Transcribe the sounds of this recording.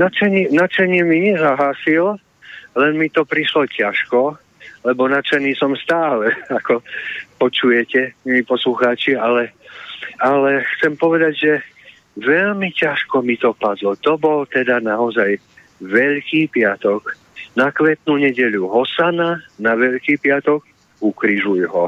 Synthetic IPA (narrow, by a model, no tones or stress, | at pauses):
nat͡ʃɛɲɪnat͡ʃaɲɪɛmiɲɛzaɦaːsil | lɛnmit̪ɔpɾiʃlɔcaʃkɔ | lɛbɔnat͡ʃɛniːsɔmst̪aːlɛakɔpɔt͡ʃujɛcɛmiiːpɔsluxaːt͡ʃialɛ | alɛxt͡sɛmpɔʋɛd̪aɟʒɛ | ʋɛʎmicaʃkɔmit̪ɔpad̪lɔt̪ɔbɔlt̪ɛd̪anaɔzaj | ʋɛʎkiːpɪat̪ɔk | nakʋɛt̪nuɲɛɟɛʎuɦɔsananaʋɛʎkiːpɪat̪ɔɡ | ukɾiʒujɦɔ